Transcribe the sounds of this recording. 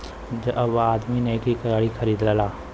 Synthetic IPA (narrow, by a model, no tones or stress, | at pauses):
d͡ʒɐbaːd̪minekikɐɾaːɭixʰɐɾiːd̪lalaː